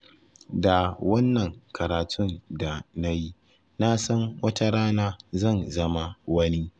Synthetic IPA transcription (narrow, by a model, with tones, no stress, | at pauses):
da˨wɐ˦nːɐ˨ŋkʰɐ˨ɾaː˨tʰʊ˦nda˨na˦ji˦ | na˦sɐ˦ŋwɐ˦ta˦ɽaː˦naː˦zɐ˦˨nzɐ˦ma˦wɐ˦ni˦